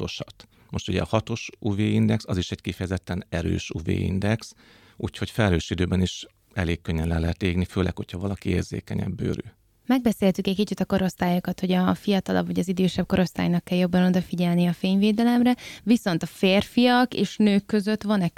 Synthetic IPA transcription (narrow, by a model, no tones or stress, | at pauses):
t̪oʃɒt̪ | mo̞ʃt̪uɟɛ̰ɒhɒt̪o̞ʃuveːind̪ɛksɒziʃɛɟkifɛjɛzɛt̪ːɛnɛɾø̰ːʃuvḛːḭnd̪ɛks | uːcho̞cfɛløːʃid̪øːbɛniʃ | ɛleːkːøɲːɛnlɛnlɛɦɛt̪eːɡniføːlɛ̰kho̞cʰhɒvɒlɒkieːrzḛːkɛɲɛ̰bːø̰ːɾy̰ | mɛɡ̚bɛseːlt̪ykɛckit͡ʃit̪ɒko̞ɾo̞st̪aːjokɒt̪ho̞ɟɒfijɒt̪ɒlɒ̰bvɒɟɒzid̪øːʃɛb̚ko̞ɾo̞st̪a̰ːjnɒkːɛljo̞bːɒno̞d̪ɒfiɟɛlnijɛɒfeːɲveːd̪ɛlɛmrɛviso̞nt̪ɒfeːrfijɒkeːʃnøːkːø̞zø̞t̪ʋɒnɛ